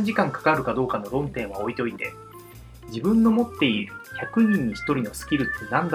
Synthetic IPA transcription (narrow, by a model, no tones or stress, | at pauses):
ɲ̟d͡ʑikãŋkḁkaɾɯ̟kad̪o̞ːkano̞ɾõ̞nt̪ẽ̞ɰ̃βao̞it̪eo̞it̪e̞̰ | d͡ʑibɯ̟̃nːo̞mo̞t̪ːe̞iɾɯ̟çakɯ̟ɲ̟ĩɲ̟ːiçi̥t̪o̞ɾʲino̞sɨ̥kʲiɾɯ̟t̪ːenãnd̪